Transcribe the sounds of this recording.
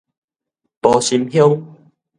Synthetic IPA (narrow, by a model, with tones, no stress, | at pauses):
pɔ˨˧ɕi˧mhjo˦ŋ